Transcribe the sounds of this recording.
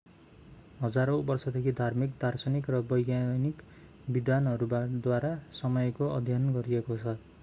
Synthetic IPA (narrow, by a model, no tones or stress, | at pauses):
ɦʌd͡zaɾowbʌrsʌd̪ekʰid̪ʱarmikd̪ʱarsʌnikrʌbʌjɡjanik | bid̪anɦʌɾubad̪waɾasʌmʌjkoʔʌ̰d̪ʱjʌnɡʌɾiekot͡sʰʌ